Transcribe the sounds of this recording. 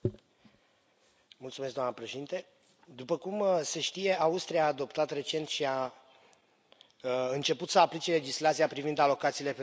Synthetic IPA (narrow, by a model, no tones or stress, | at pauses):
mult̪sumeskd̪oamnəpɾeʃe̞d̪int̪e̞ | d̪upəkumse̞ʃt̪ije̞aust̪ɾiaːd̪o̞pt̪at̪re̞t͡ʃe̞nt̪ʃia | ɨnt͡ʃe̞put̪səaplit͡ʃe̞le̞d͡ʒislat̪siapɾivind̪alo̞kat̪siːle̞pe